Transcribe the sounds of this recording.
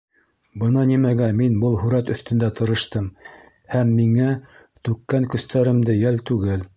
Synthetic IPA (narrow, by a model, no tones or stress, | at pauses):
bɤnɑnimæɡænminbɤlˠɦʉɾæt̪ɵ̆θt̪ɵ̆nd̪æt̪ɤ̆ɾɤ̆ʃt̪ɤm | hæmːiŋæ | t̪ʉkːæŋkɵ̆st̪æɾɘ̆md̪ɘjælt̪ʉɡɘl